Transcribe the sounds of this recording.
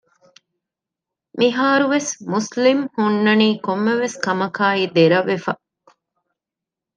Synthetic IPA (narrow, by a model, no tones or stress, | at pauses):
miɦaːɾuʋesmuslimhunːɐniːkomːeʋeskɐmɐkaːid̪eɾɐʋːefɐ